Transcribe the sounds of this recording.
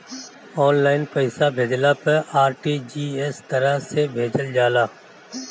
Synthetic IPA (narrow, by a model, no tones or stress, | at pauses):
ɔːnlaːɪnpəɪsabʱeːd͡ʒlapɐɾaːɾʈiːd͡ʒiːeːst̪ɐɾəɦsebʱeːd͡ʒəld͡ʒaːlaː